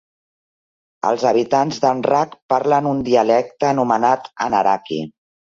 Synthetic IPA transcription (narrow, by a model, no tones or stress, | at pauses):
ə̰lˠzəβ̞it̪anzðənrakpaɾlənund̪iəlɛk̚t̪əːnumənat̪ə̰nəɾakḭ